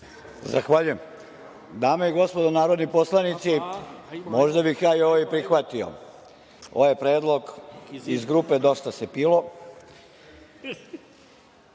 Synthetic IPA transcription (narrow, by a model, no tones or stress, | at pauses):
zaxʋaːʎujem | d̪aːmeiɡo̞spod̪onaːɾo̞d̪nipo̞slˠanit̪si | mo̞ʒd̪abixjaːioʋoipɾixʋat̪io̰ | o̰ʋojepɾeːd̪lˠo̞ɡizɡɾupe̞d̪o̞st̪asepiːlo̞